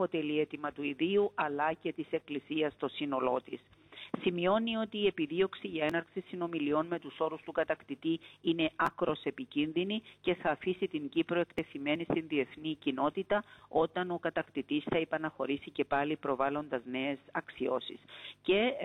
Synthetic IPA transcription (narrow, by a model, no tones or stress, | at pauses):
pot̪e̞lie̞t̪imɐt̪uiðiuʔɐlɐce̞t̪ise̞klisiɐst̪o̞sino̞lo̞t̪issimio̞nio̞t̪iːe̞piðio̞ksiʝe̞nɐɾksisino̞milio̞nme̞t̪uso̞ɾust̪ukɐt̪ɐkt̪it̪iine̞ʔɐkɾo̞se̞picinðinice̞θɐːfisit̪iɲɟipɾo̞e̞kt̪e̞θime̞nist̪inðie̞θnicino̞t̪it̪ɐo̞t̪ɐno̞kɐt̪ɐkt̪it̪isθɐepɐnɐxo̞ɾisice̞pɐlipɾo̞vɐlo̞nd̪ɐzne̞esɐksio̞sḭsce̞